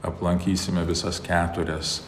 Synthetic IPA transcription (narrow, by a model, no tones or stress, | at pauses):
ɐ̰plˠɐŋʲkʲiːsʲɪmʲɛʋʲɪsɐskʲæːt̪ʊɾʲɛs